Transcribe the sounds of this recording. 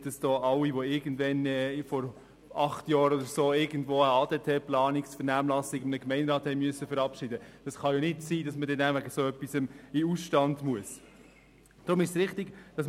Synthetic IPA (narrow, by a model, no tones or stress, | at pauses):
d̥ɑsd̥ɔːʔɑwiʋoɪɡən̩dʋɛnɛːfɔɾ | ɑχtjɑːɾɔdəɾsoːɪɡən̩dʋoːəɑːd̥ɛtʰɛplɑːnɪksfəɾnæːmlɑsɪɡɪmnəkmɛɪnɾɑːthɛɪmyəsːəfɛɾɑpʃɪdəd̥ɑsχɑjɔnɪtsiːdɑsmədɛnæʋæɡəsoːœpːisəmɪusʃtɑndmuəs | d̥ɾʊmɪʃsʁɪχtɪɡd̥ɑs